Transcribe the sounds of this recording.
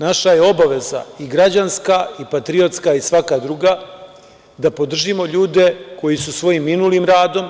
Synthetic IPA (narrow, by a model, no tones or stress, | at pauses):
naʃaje̞o̞baʋe̞za̰iɡɾad͡ʑanskaipat̪ɾio̞t̪skaisʋakad̪ɾuːɡa | d̪apo̞d̪r̩ʒimo̞ʎuːd̪e̞ko̞jisusʋo̞jimːinuːlimɾaːd̪o̞m